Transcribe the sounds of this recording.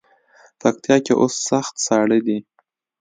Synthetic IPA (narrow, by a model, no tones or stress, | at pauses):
pak̚t̪ijɑkeʔosːaxt̪sɑɽəd̪i